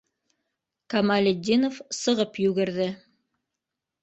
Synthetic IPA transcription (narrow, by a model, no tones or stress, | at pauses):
kɐmalʲed̪ʲːinofsɤ̆ʁɤpjʉɡɘ̆ɾðɘ